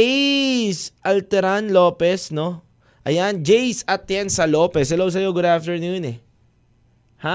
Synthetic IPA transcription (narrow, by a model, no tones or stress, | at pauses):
sʔɐlt̪ɛɾanlo̞ːpɛsno̞ | ʔɐjand͡ʒɛjsɐt̪jɛnsɐlo̞ːpɛshɐlows̬ɐjoɡʊd̪aft̪ɛɹnunɛ | ha